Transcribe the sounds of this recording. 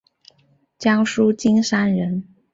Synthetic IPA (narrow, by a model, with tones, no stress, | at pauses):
t͡ɕjɑ˥ŋʂu˥t͡ɕi˥ŋʂa˥nɻə˧˥n